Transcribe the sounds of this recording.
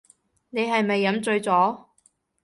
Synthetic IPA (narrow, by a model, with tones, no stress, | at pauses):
ne˨˧jɦɐ˨jmɐ˨jːɐ˨˥mt͡sɵ˧ɥt͡sɔː˨˥